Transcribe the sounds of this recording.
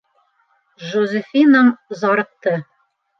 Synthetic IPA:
ʒozʲɘfinɑmzɒɾɤ̆q̚t̪ɤ

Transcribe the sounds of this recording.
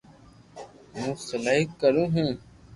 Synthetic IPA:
mũːsəlaːɦɪkːəɾũːɦũː

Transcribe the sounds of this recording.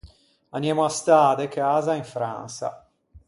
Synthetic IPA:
anjaːmoast̪aːd̪ekeaːzaiɱfɾa̰nsa̰

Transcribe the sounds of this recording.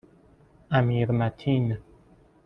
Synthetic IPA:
amiɾmatʰinə

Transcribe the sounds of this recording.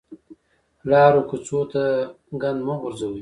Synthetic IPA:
lɑːɾokut͡sot̪a | ɡand̪maɣʊɾzawu

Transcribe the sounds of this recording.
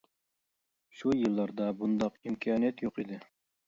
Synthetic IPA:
ʃujɨlˠːɑɾd̪ɑbund̪ɑqimkʲʰiɑːnijɛt̪joqid̪ɪ

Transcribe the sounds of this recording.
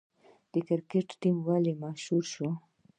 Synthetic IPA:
d̪̥əkaɾkeʈːimwalemaʃhuɾʃo

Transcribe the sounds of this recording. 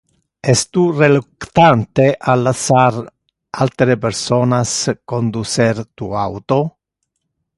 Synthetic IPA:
ɛst̪urelukt̪ant̪eʔalːasaɾ | alt̪ɾepeɾsonaskond̪useɾt̪uawt̪o

